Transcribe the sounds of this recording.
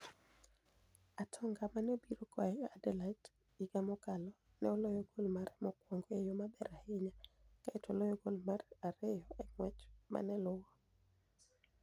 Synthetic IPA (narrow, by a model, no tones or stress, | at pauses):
atʰɔŋɡamanobiɾokɔɛadɛlat | iɡamɔkalɔ | nɛolojɔɡolmaɾɛmɔkwoŋɡoejomabɛɾahɪɲakaɛtolojɔɡolmaraɾejɔʔɛŋwɛt͡ʃma̰nɛlʊwɔ